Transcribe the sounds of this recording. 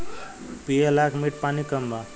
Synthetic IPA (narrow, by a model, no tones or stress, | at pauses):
pielakʰmiʈ̚panikəmbʱa